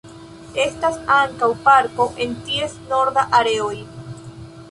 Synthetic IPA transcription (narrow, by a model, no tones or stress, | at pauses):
e̞stasaŋkawpaɾko̞ʔe̞ntie̞sno̞ɾdaʔaɾe̞o̞j